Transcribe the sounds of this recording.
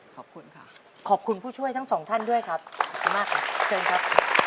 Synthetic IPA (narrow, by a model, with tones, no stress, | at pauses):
kʰɔ˨˩p̚kʰu˧nkʰa˥˩ | kʰɔː˨˩p̚kʰu˧npʰuː˥˩t͡ɕʰu˥˩əjt̪ʰa˥˩ŋsɔː˩˦ŋt̪ʰa˥˩ndu˥˩əjkʰɾa˦˥p̚sʰa˨˩˦maː˦˥˩k̚t͡ɕʰɤː˧nkʰa˦˥p̚